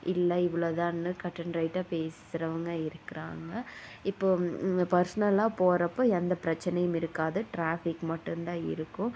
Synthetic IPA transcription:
ʔɪlːɐɪʋɪɭot̪ãːnːɯkɐʈːɐnɾɐɪʈːaːpeːsɪɾɐʋɐŋɡɐɪɾɯkːɪɾa̰ːŋɡɐɪpːoːpɐɾsɐnɐlaːpoːɾɐpːoːɛnd̪ɐpɪɾɐt͡ʃːɛnɐjɯmɪɾɯkːaːðɯʈɾaːfɪkmɐʈːɯnd̪ãːɪ̰ɾɯkːʊ̃

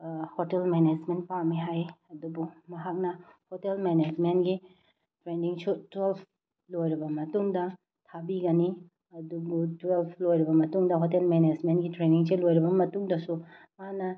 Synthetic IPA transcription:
hotelmened͡ʒment̚pawmiɦajɐdubumɐɦak̚nɐhotelmened͡ʒmentɡi | tɾeniŋsutwelpʰ | lojɾibɐmɐtuŋdɐ | tʰabiɡɐni | ɐduɡutwelpʰlojɾibɐmɐtuŋdɐɦotelmened͡ʒmentɡitɾeniŋselojɾibɐmɐtuŋdɐsu | manɐ

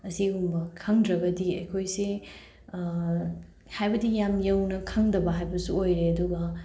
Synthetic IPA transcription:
ɐsiɡumbɐkʰaŋdɾɐbɐdiɐ̰jkʰojsi | hajbɐdijamjɐwnɐkʰaŋdɐbɐɦajbɐsṵojɾeɐduɡɐ

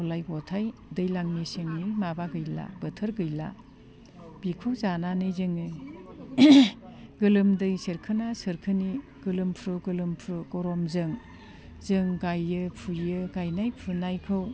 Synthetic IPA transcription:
ɔlajɡɔtʰajdɯjlaŋniseŋɯmabaɡɯjla̰b̥ɯtʰɯɾɡɯjla̰ | b̥ikʰɯwzananɯzɯŋɯ | ɡɯlɯmdɯjsɯɾkʰɯnasɯɾkʰɯniɡ̥ɯlɯmpʰɾɯɡɯlɯmpʰɾɯɡɔɾɔmzɯŋ | zɯŋɡajɯpʰuɯɡajnajpʰunajkʰɯw

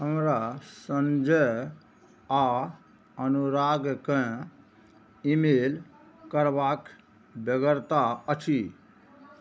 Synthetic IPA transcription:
ɦəmɾasənd͡ʒə | a | ənuɾaɡkə̃ | imel | kəɾbak | bəɡəɾt̪aət͡ʃʰi

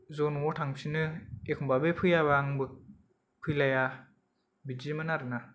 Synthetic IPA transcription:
zonɔtʰaŋsinɯekʰɔmbabepʰɯjaβaŋbɯ | pʰɯjlaja | bid͡ʒimɯnaɾɯna

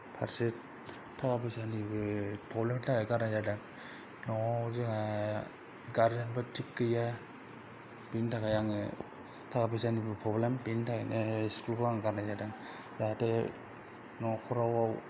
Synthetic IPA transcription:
pʰaɾsi | tʰːakapɯjsanibɯpʰɾɔblemtʰaɡaɡaɾnazadaŋ | nɔzɯŋa | ɡaɾzanbɯtʰikːɯja | pintʰakajaŋɯ | tʰakapʰɯsanibɯpʰɾɔblempintʰakaneskulkʰɯaŋɡaɾnazadaŋ | zate | nɔkʰɔɾawaw

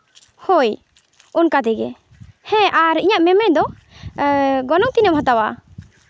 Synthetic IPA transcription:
hoj | unkad̪ɛɡɛ | hɛ̃ʔaɾiɲaʔmɛmɛjd̪ɔ | ɡɔnɔŋt̪inɛmɦɔt̪awaʔ

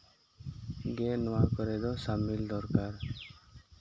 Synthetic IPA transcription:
ɡɛnɔwakɔɾɛd̪ɔsamild̪ɔɾkaɾ

